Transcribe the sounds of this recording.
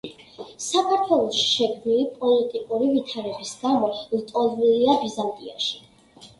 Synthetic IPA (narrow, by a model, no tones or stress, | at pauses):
sakʰaɾt̪ʰwɛlˠɔʃi̥ʃɛɡd̪nilipʼɔlit̪ʼikʼuɾivit̪ʰaɾɛbisɡamɔlt̪ʼɔliliabizant̪ʼḭa̰ʃi̥